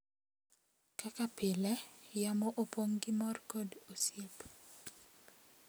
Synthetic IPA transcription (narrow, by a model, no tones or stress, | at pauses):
kakapɪlɛjamoʔopoŋɡɪmɔrkɔdosjep